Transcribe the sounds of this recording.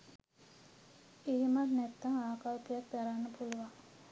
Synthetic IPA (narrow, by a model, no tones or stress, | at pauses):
iɦimat̪nɛt̪ːaŋaːkawkijak̚d̪aɾanːəpuluʋaŋ